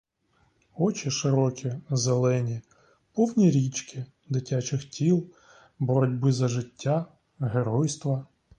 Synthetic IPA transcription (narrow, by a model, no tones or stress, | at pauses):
ɔt͡ʃiʃɪɾɔkʲizelˠɛnʲi | pɔwnʲiɾʲit͡ʃkɪ | d̪ɪtʲat͡ʃɪxtʲilˠ | bɔɾɔdʲbɪzɐʒɪtʲːa | ɦeɾɔjst̪ʋɐ